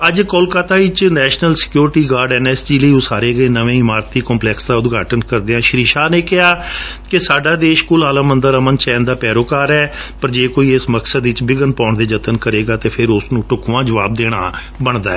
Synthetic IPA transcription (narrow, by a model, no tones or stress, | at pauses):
əd͡ʒkolkaːt̪aːɪt͡ʃnɛːʃnəlsɪ̥kjoːɾʈiːɡaːɾɖɛːnɛːsd͡ʒiːləiːʊsaːɾeːɡəeːnəʋẽːɪmaːɾt̪ːiːkɔːmplɛːksd̪aːʊd̪ɡaːʈənkəɾd̪eːãːʃɾiːʃaːnẽːkɪɦaː | kɪsaːɖaːd̪eːʃkʊlaːlãːmənd̪əɾəmənt͡ʃɛːnd̪aːpɛːɾoːkaːɾɛːpəɾd͡ʒeːkoːiːɪsməksəd̪ɪt͡ʃbɪɡənpãːɳd̪eːd͡ʒət̪ənkəɾeːɡaːt̪eːpʰɪɾʊsnũːʈʊkʋãːd͡ʒəʋaːb̚d̪eːɽ̃a̰ː | bəɳd̪aːɛː